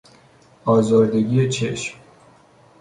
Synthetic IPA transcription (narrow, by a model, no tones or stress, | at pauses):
ɒːzɒːɾd̪e̞ɡiːjet͡ʃʰeʃm